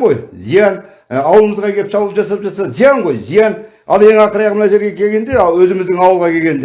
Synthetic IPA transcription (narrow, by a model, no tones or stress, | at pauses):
qojzijɑn | ɑwlˠəməzʁɑkʰʲe̞lɪpsʰɑbulˠəpʒɑsɑpʒɑt̪sɑd̪zijɑɴqo̞jzijɑn | ɑ̰lˠe̞ŋɑqəɾɑjɑʁmənaʃe̞ɾɡʲe̞kʲʰe̞lɡʲe̞nd̪ewɵzɪmɪzd̪ɪŋɑwəlˠʁɑkʲʰe̞lʲɡʲe̞nd̪e